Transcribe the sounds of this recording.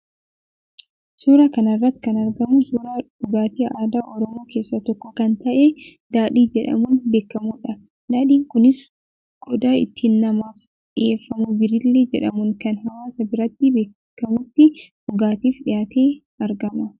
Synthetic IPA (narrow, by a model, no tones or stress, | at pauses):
suːɾɐkɐnɐrːɐt̪ːɪ̥kɐnɐɾɡɐmʊsuːɾḁ | ʊɡaːt̪iːʔaːd̪aːʔɔɾɔmo̞ːke̞ːsːɐt̪ɔkːɔkɐnt̪ɐʔe | d̪̥aːᶑiːd͡ʒɛᶑɐ̰mʊnbe̞ːkːɐmuːᶑɐ | naːᶑiːŋkʊnɪs | ɡ̥ɔd̪aːɪ̰t̪ʰːiːnːɐmaːf | ᶑɪʔeːfːɐmubɪɾɪlːeːd͡ʒɛᶑɐmʊŋkɐnɦɐwaːsɐbɪɾɐt̪ːɪbe̞ː | kːɐmut̪ːɪʔʊɡaːt̪iːfᶑɪjaːt̪ʰeː | ɐɾɡɐmɐ